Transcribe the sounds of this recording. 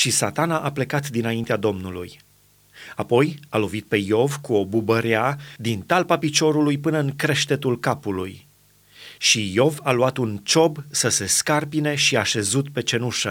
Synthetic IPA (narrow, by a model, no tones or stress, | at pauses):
ʃisat̪anaʔaple̞kat̪d̪inaint̪ead̪o̞mnulṵj | apo̞jalo̞vit̪̚pe̞jo̞vkuo̞bubəɾead̪int̪alpapit͡ʃo̞ɾulujpɨnəɨŋkɾe̞ʃt̪e̞t̪ulkapuluj | ʃijo̞valuat̪unt͡ʃo̞bsəse̞skarpine̞ʃiaʃe̞zut̪pe̞t͡ʃe̞nuʃə